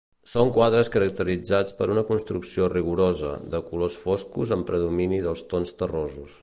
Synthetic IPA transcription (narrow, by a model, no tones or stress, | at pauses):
soŋkwaðɾəskəɾək̚t̪əɾid͡zat͡spəɾunəkunst̪ɾuksioriɣuɾozə̰ðəkulosfoskuzəmpɾəðuminiðəlˠst̪onst̪ərozus